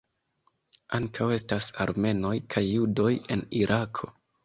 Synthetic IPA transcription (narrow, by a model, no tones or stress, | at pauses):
aŋkʰawe̞stasa̰ɾme̞no̞jkʰajːudo̞je̞̰niɾʔakʰo̞̰